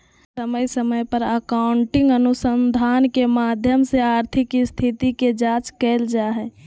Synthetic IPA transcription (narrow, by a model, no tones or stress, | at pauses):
səməjsəməjpəɾəkaʊɳʈɪ̃ŋɡənusənd̪ʱaːnkemaːd̪ʱjəmseaːɾt̪ʰɪkst̪ʰit̪iked͡ʒat͡ʃkɛːld͡ʒaɦɛ